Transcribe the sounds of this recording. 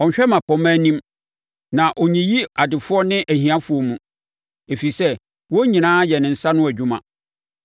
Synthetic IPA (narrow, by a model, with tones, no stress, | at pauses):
ɔ˨ɲ˨ɕᶣɛ˦mã˨pɔ˨mæ̃ː˦nĩ˦m | nã˨ʔɔ˨ɲĩ˨ji˦a˨dɪ˨fʊ˦ɔ˦nɪ̃˦ʔæ˨hĩ˨˦ã˦fʊ˨ɔ˦mũ˨ | e˨fi˨sɛ˦ | wɔ˦ɲĩ˨nãː˦jɛ˨nɪ̃˨n̩˨sa˦nʊ̃˦æ˨d͡ʑᶣu˦mã̰˨